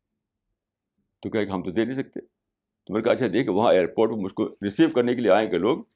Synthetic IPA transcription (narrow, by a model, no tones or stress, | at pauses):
t̪okʲjɐɦekeɦɐmt̪od̪eːneĩs̬ɐk̚t̪eː | t̪omːnekaːʃʰaɦd̪eːkʰeʋɐɦãeːəɾpoːɾʈpemʊd͡ʒʱkoɾɪsiːʋkɐɾnekelieaːẽkeloːɡ